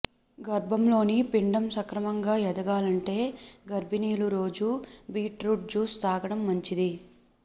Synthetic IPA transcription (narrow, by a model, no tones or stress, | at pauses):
ɡɐɾbʱɐmlo̞ːnipiɳɖɐmsɐkɾɐmɐŋɡaːjɐd̪ɐɡaːlɐɳʈe̞ːɡɐɾbiniːluɾo̞ːd͡ʒubiːʈɾuːʈ̚d͡ʒuːst̪aːɡɐɽɐmːɐɲt͡ʃid̪i